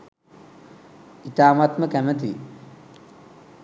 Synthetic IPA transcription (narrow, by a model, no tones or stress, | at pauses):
it̪aːmat̪məkæmət̪i